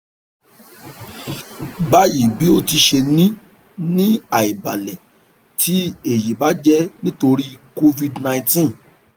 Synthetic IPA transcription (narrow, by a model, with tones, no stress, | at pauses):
ba˦ji˨bi˨˦o˦ti˧ʃe˧nĩ˦ | nĩ˦a˨i˨ba˨lɛ˨ | tʰi˨˦e˨ji˨ba˨˦d͡ʒɛ˦nĩ˦to˧ɾi˦ko˦vi˧dnã˧ĩ˧tĩ˦˨